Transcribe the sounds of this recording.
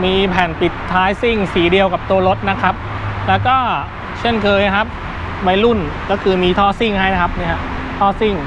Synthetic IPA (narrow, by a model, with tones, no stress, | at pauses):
miː˧pʰɛː˨˩npi˨˩t̪ʰːaː˦˥jsi˥˩ŋsiː˩˦di˧əwka˨˩p̚t̪u˧ɐlo˦˥t̪̚na˦˥kʰɾa˦˥p̚lɛː˦˥wkɔː˥˩ | t͡ɕʰe˥˩nkʰɤː˧jkʰa˦˥p̚ | wa˧jlu˥˩nkɔː˥˩kʰɯː˧miː˧t̪ʰɔː˥˩si˥˩ŋɦa˥˩ja˦˥kʰa˦˥p̚ni˥˩ɦa˦˥ʔt̪ʰɔː˥˩si˥˩ŋ